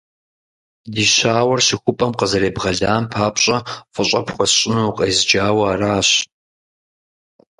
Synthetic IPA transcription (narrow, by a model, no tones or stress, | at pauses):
diʃʷaːwɐrɕixʷʊpʼɐmqɐzɐɾeːbʁɐɮaːnpʰaːpʰɕʼɐfʷʼʊɕʷʼɐpʰχʷɔsɕʼɪnuqʼɐjzd͡ʒaːwɐːraːɕ